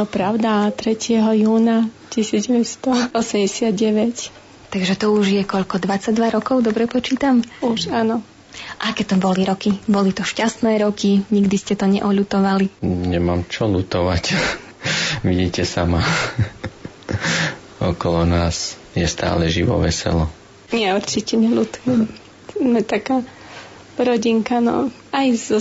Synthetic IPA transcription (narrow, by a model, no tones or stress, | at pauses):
ɔpɾaʊd̪at̪ɾɛcɪɛɦɔjuːnacisiːd͡zɟɛʋɛt̪st̪ɔɔsɛmɟɛsɪad̪ɟɛʋɛc | t̪aɡʒɛt̪ɔuʒjɛkɔʎkɔd̪ʋat͡saɟd̪ʋaɾɔkɔʊd̪ɔbɾɛpɔt͡ʃiːt̪amuʃanɔ | ʔakɛt̪ɔbɔliɾɔkibɔlit̪ɔʃcast̪nɛːɾɔkiɲiɡd̪iscɛt̪ɔɲɛ̰ʔɔʎut̪ɔʋaliɲɛmaːmt͡ʃɔlut̪ɔʋac | ʋiɟiːcɛsama | ɔkɔlɔnaːs | jɛst̪a̰ːlɛʒiʋɔ̰ʋɛ̰sɛ̰lɔ | ɲɪɛuɾt͡ʃicɛɲɛlut̪ujɛm | mɛt̪akaː | ɾɔɟiŋkanɔ̰ajz